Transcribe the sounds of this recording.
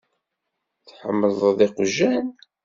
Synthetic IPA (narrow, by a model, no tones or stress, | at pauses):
θħəmːəðˤðˤeqʒːæn